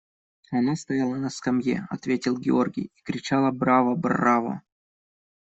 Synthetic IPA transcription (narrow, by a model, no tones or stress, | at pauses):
ɐnast̪ɐjalˠənɐskamjḛɐ̰t̪vʲetʲɪlˠɡʲɪ̰orɡʲɪ̰jikɾʲɪt͡ɕalˠəbɾavəbrːavə̰